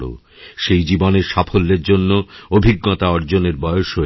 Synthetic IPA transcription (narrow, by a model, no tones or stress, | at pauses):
ɽo̰ | ʃejd͡ʑiboneɾʃafʰolːeɾd͡ʑonːoobʱiɡːot̪aɔɾd͡ʑoneɾbɔeoʃo